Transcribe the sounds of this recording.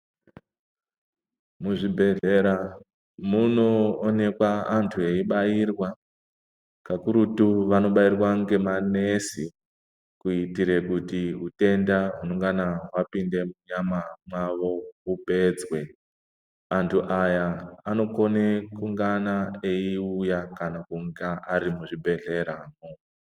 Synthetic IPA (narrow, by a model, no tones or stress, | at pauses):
muʐibʱe̞deɾa | munoːne̞kwaantʰue̞iɓajirwa | kakuɾutuʋano̞ɓairwaŋɡe̞manesi | kuitiɾe̞kutiɦute̞ndaɦunoŋɡanaɦwapinde̞muɲamamwaʋo̞ɦupe̞ːd͡zwe | antʰuʔajaːno̞ko̞nekuŋɡanaeiujakanakuŋɡaʔaɾimuʐibʱe̞ɮe̞ɾaːmo